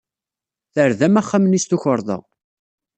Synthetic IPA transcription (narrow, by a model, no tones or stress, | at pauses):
θəɾðæmæχːamənist̪uçəɾˤðˤɑ̰